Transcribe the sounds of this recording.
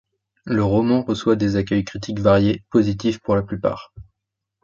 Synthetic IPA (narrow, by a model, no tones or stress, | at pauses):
ləʁɔmɑ̃ʁəswad̪ezakʲœjkχit̪ʰikvaʁjepozit̪̬ifpuʁlaplypa̰ːʁ